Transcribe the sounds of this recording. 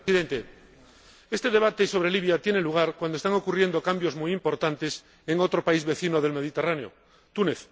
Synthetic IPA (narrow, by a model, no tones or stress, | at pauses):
iðent̪e | est̪e̞ðe̞β̞at̪e̞iso̞β̞ɾeliβjat̪jeneluɣ̞aɾkwand̪oest̪aŋo̞kurje̞nd̪okambjo̞zmujimpo̞ɾt̪ant̪es | eŋot̪ɾopaizβe̞θinoðe̞lme̞ð̞it̪eraneo̰ | t̪uneθ